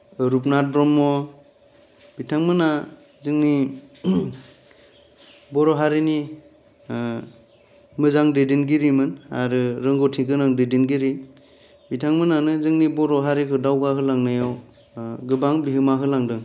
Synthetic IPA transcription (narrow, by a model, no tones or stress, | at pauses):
ɾup̬̚nat̚bɾɔmɔ | b̥itʰaŋmɯna | zɯŋni | bɔɾɔɦaɾini | mɯzaŋdedinɡiɾimɯnaɾɯɾɯŋɡɔtʰiŋkɯnaŋdedinɡiɾi | bitʰaŋmɯnanɯzɯŋnibɔɾɔɦaɾikʰɯdawɡaɦɯlaŋnajaw | ɡɯbaŋbiɦɯmaɦɯlaŋdɯŋ